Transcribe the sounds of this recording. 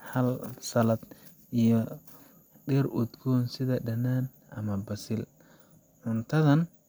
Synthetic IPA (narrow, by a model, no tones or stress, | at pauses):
hɐlsɐlɐd̪ | ʔijɔ | ɖɛrʊd̪ɡɔːnsɪðɐɖɐnaːn | ʔɐmɐbɐsɪl | ʕʊnt̪ʰɐðɐn